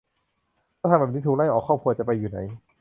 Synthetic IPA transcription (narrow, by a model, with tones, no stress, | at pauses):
aː˥˩t̪ʰa˧bɛː˨˩ni˦˥uː˨˩la˥˩jʔɔː˨˩kʰːɔː˥˩p̚kʰu˧ɐt͡ɕa˨˩pa˧jːuː˨˩na̰˩˦j